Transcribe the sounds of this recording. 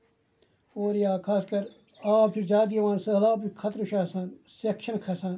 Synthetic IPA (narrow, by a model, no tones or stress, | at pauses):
oːɾjaːkʰaːskɐɾ | aːp̚t͡ʃʰud͡ʒaːd̪iɐʋãːnsɐlaːpt͡ʃukʰɐt̪ɾuʃaːsansekʃɐnkʰɐsãːn